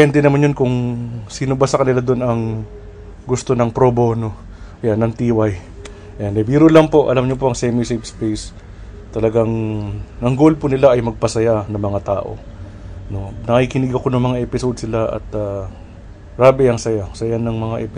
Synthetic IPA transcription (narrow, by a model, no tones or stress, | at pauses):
ɛnt̪ɛnɐmanjonkʊŋsinʊbasɐkɐnɪlad̪onɐŋ | ɡʊst̪o̞nɐŋpɾobo̞no̞ | janɐŋt̪iːwaj | ʔɛnɛbiːɾolɐŋpo̞ʔɐ̰lamɲop̬oʔɐŋsɛmisepspejs | t̪ɐlɐɡaŋnɐŋɡolpʊnɪlaʔɐjmɐɡ̚pɐsɐjanɐŋmɐŋat̪a̰ːʔo̞̰ | no̞nɐkikɪnɪɡɐko̞nɐŋmɐŋaʔɛpɪsod̪sɪlaʔɐ̰t̪a | ɾaːbɪɐŋsɐjasɐjanɐŋmɐŋaʔɛpɪ